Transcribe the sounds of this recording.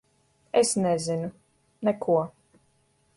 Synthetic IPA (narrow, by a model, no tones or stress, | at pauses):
esnɛzinu | nɛkʰuɔ